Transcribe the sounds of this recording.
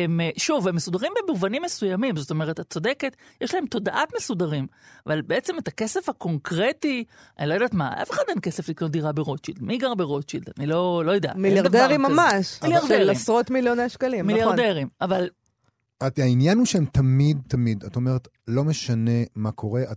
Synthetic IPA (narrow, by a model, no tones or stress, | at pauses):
emeʃuvemːesudaʁimbemuvanimːesujamimzo̞t̪o̞meʁ̞etat͡so̞deke̞tjeʃlae̞mto̞daʔatmesudaʁimavalbeet͡se̞metakese̞fhako̞ŋkʁeti | anilojd̪aːtmaʔa̰feχadenke̞se̞fliknot̚d̪iʁabeʁo̞t͡ʃidmiɡaʁbeʁot͡ʃida̰nilo̞lo̞jod̪ea̰mijadavdeʁimːamaʃmiljaʁdeʁaimsʁot̪miljoneʃkalimmiljaʁʁd̪eʁimaval | aainjanuʃeemtamid̪̚tamid̪atome̞ʁet | lo̞meʃane̞makʰo̞ʁe̞ʔa